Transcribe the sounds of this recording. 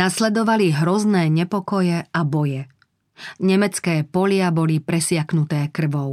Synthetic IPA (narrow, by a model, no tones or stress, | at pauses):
naslɛd̪ɔʋaliɦɾɔznɛːɲɛpɔkɔjɛabɔjɛ | ɲɛmɛt͡skɛːpɔʎɪabɔlipɾɛsɪaknut̪ɛːkr̩ʋɔʊ